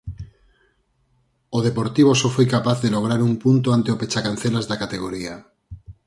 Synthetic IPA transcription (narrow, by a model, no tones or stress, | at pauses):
oð̞epo̞ɾt̪iβ̞osofwejkapaθðeloɣ̞ɾaɾumpunt̪oant̪eope̞t͡ʃakanθelazðakat̪eɣ̞oɾia